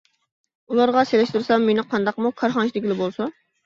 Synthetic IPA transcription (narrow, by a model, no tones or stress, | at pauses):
ulˠɑɾʁɑselɛʃt̪uɾsɑmːenɪqʰɑnd̪ɑqmukʰɑɾχɑnʃʰid̪ɪkʲilɪbolˠsɑ